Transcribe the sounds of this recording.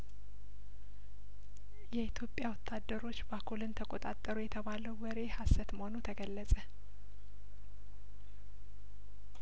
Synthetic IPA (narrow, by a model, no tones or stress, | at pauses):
jɛit̪ʰjo̞pʼjawɔt̪ʰːad̪ːəɾo̞t͡ʃːbakʰulɨnt̪ʰəkʼo̞t̪ʼat̪ʼːəɾujɛt̪ʰəβaləwwəɾe̞hasːət̪məhonut̪ʰəɡəlːəsʼə